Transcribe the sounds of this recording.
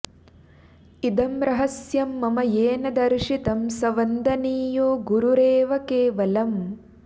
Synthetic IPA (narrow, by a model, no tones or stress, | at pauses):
id̪ɐmɾɐɦɐsjɐmːɐmɐjeːnɐd̪ɐɾʃit̪ɐmsɐʋɐnd̪ɐniːjoːɡuɾuɾeːʋɐkeːʋɐlɐm